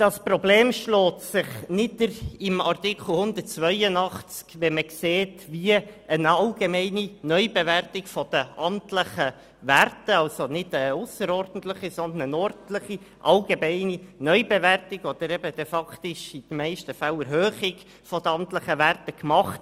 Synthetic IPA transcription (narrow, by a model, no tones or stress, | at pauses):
d̥ɑsprɔbleːmʃlɔːt̪sɪχnɪdəɾɪmɑrt̪ɪkχl̩ˠhʊnd̪ərt̚t͡sʋœʏənɑχt͡skʋɛməkseːtʋiəənɑlɡemɛɪninœʏbeværtɪkfɔd̥̪əɑmtləχə | ʋærtəɑlsonɪd̥əʊsəɾɔrd̥ən̩t̪ləχisɔnd̪ənənɔɾdləχi | ʔɑlɡemæɪninœʏbeværtɪɡɔd̥̪əɾɛbəd̥ɛfɑkt̪ɪʃɪd̥̪əmæɪʃtəfælɛɾɦøːχɪɡ | fɔd̥̪əɑmt̪ləχəʋærtəkmɑχt